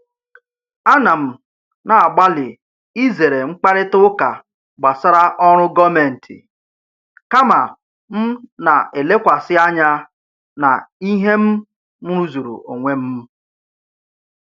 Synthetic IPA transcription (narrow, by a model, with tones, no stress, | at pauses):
a˦na˨m̩˨ | na˨a˨ɡ͡ba˦lɪ˨ | i˦ze˨ɾe˨ŋ͡m̩˦k͡pa˦ɾɪ˦tʊ˦ka˨ | ɡ͡ba˨sa˦ɾa˦ʔɔ˦ɾ̃ʊ˦ɡɔ˦me˨n̩˨tʰɪ̰˨ | ka˦ma˨ | m̩˦na˨e˨le˦kʷa˨sɪ˦a˦ɲa˦ | na̰˨i˦ɦe˦m̩˦ | m̩˦ɾu˦zu˨ɾṵ˨ʔo˨ŋʷe˦m̩˦